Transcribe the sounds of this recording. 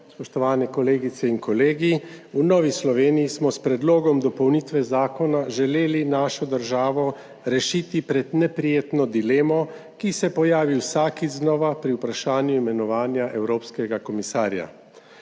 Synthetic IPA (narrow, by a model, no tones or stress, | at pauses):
spɔʃt̪ɔʋaːnɛkɔleːɡit̪sɛinkɔleːɡiunɔːʋislɔʋeːnijismɔspɾɛd̪loːɡɔmd̪ɔpɔwnit̪ʋɛzaːkɔnaʒɛleːlinaːʃɔd̪əɾʒaːʋɔ | ɾɛʃiːt̪ipɾɛd̪nɛpɾijeːt̪nɔd̪ileːmɔ | kisɛpɔjaːʋiwsaːkiznɔːʋapɾiupɾaʃaːnjuimɛnɔʋaːnjaʔɛwɾoːpskɛɡakɔmisaːɾja̰